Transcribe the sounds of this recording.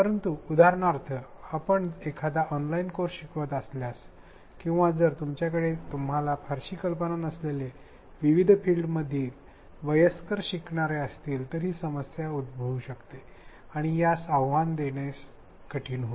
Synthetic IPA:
pəɾənt̪uud̪ʱaɾɳaɾt̪ʰəapəɳekʰad̪aʔɔnlainkoɾɕikʋət̪əsljas | kĩw̃ʋad͡zəɾt̪umt͡ɕjakəɽet̪um̤alafʰaɾɕiːkəlpənanəslele | ʋiʋid̪ʱfilɖməd̪ʱiːl | ʋəjəskəɾɕikɳaɾeəst̪iːlt̪əɾɦiːsəməsjaud̪̚bʱəʋuɕəkt̪e | aɽ̃ijasaʋʋand̪eɳjes | kəʈʰiːnɦo

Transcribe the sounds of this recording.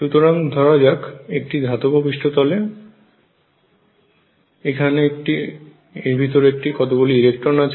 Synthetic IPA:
ʃut̪oɾaŋd̪ʱɔɾad͡ʑakek̚ʈid̪ʱat̪obʱobiʃʈʰot̪ɔle | ekʰaneek̚ʈi | eɾbʱit̪oɾeek̚ʈikɔt̪oboliiɾekʈoɾnat͡ɕʰ

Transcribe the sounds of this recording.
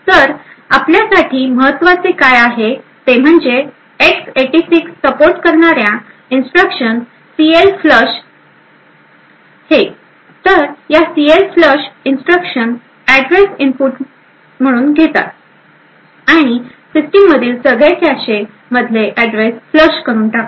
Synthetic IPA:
səɾ | apljasaʈʰiːməɦət̪ːʋat͡sekajaɦet̪em̤əɳd͡ze | ekseʈisiksːəpoɾʈkəɾɳaɾjã | insʈɾəkʂən | sielfləɕ | he | t̪əɾjasielfləɕinsʈɾəkʂən | æɖɾesimpuʈ | m̤əɽ̃uːnɡʱet̪a̰t̪̚ | aɽ̃i | sisʈimːəd̪ʱiːlsəɡɭekjaɕe | məd̪ʱleʔæɖɾesfləɕkəɾuːnʈakt

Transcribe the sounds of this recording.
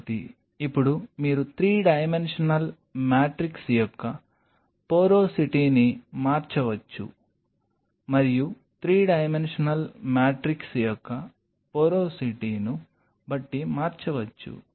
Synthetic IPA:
t̪ḭ | ipːuɽumiːɾut̪ɾiːɖɐjme̞nʂɐnɐl | maːʈɾiksjɔkːɐ | poːɾo̞ːsiʈiːnimaːɾt͡ʃɐʋɐt͡ʃːṵ | mɐɾiju | t̪ɾiːɖɐjme̞nʂɐnɐlmaːʈɾiksjɔkːɐ | poːɾoːsiʈiːnu | bɐʈːimaːɾt͡ʃɐʋɐt͡ʃːṵ

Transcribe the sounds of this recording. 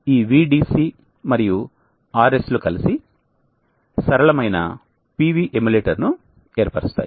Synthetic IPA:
iːʋiːɖiːsi | mɐɾiju | aːɾeslukɐlisi | sɐɾɐɭɐmɐjnɐ̰ | piːʋiːʔemuleːʈɐɾnu | eːɾpaːɾist̪a̰ːji

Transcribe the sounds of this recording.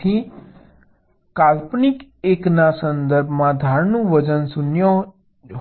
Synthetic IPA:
i | kalpnikeknasənd̪əɾbʱmãd̪ʱaɾnũʋəd͡ʒənsunjɔ

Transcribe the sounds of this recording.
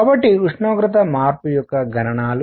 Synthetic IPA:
abɐʈːiuʂɳoːɡɾɐt̪̬ɐmaːɾpujɔkːɐɡʱɐnɐɳaːlu

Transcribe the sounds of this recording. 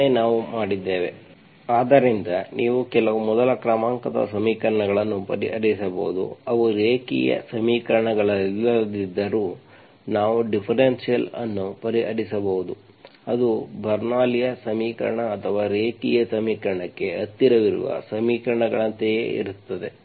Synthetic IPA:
enaːʋumaːɽid̪ːeːʋe̞̰ | aːd̪ɐɾind̪ɐnʔiːʋukɛlɐʋumɔd̪ɐlɐkɾɐmaːŋkɐd̪ɐ̰sɐmiːkɐɾɐɳɐɡɐɭɐnːupɐɾiɦɐ̰ɽisɐbɐ̰ɦud̪ṵɐʋuɾeːkḭjɐ̰sɐmiːkɐɾɐɳɐɡɐɭɐilːɐd̪id̪ːɐɾuː | naːʋuɖipʰɐɾensijɐlɐnːupɐɾiɦɐɽisɐbɐɦud̪u | ɐd̪ubʱɐɾnaːlijɐsɐmiːkɐ̰ɾɐɳɐːt̪ʰɐʋaːɾeːkijɐsɐmiːkɐɾɐɳɐkːe̞ɐt̪ːiɾɐʋiɾṵʋɐ̰sɐmiːkɐɾɐɳɐɡɐɭɐnt̪ejḛḭɾut̪ːɐd̪e̞

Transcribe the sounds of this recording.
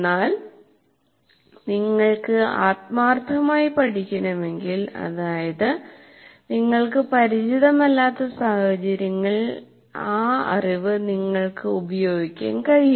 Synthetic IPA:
nːaːl | niŋːɐɭkɨaːt̪̚maːrt̪ʰːɐmaːjipɐʈʰikʲːɐnɐme̞ŋɡilɐ̰ðaːjɐðɨ | niŋːɐɭkɨpɐɾit͡ɕiðɐmɐlːaːt̪ːɐsaːhɐt͡ɕɐɾjɐŋːɐɭ | aːɐ̰riʋɨniŋːɐɭkɨubɐjo̞ːɡikʲːa̰ːnkɐɻij

